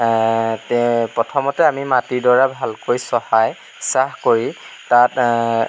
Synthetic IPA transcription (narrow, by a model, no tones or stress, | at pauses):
pɹɔtʰɔmɔtɛamimatiɹdɔɹabʱalkojsɔhaj | sahkoɹi | tat